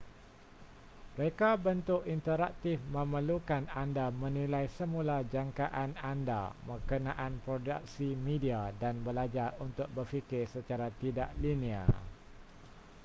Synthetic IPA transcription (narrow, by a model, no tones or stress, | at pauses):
məɾekabənt̪ʊʔint̪əɾak̚t̪ɪfmə̃məlukanandamə̃nilajsəmũlad͡ʒaŋkaʔananda̰məkənãʔanpɾoda̰k̚simĩdiadanbəlad͡ʒarunt̪ʊk̚bərfikɪrsət͡ʃaɾat̪ida̰ʔlinia̰